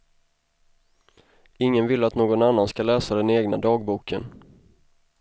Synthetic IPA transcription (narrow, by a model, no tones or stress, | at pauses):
ɪŋːənvɪlːəat̪noːɡɔnanːanskalɛːsad̪ɛneːɡnad̪ɑːɡ̚buːkʰən